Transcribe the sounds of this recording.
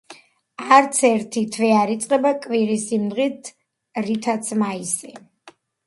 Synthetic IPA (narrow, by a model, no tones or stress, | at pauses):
aɾt̪sʰɛɾt̪ʰit̪ʰvɛaɾit̪sʼqʼɛbakʼwiɾisimd̪ʁit̪ʰ | ɾit̪ʰat̪sʰmaisi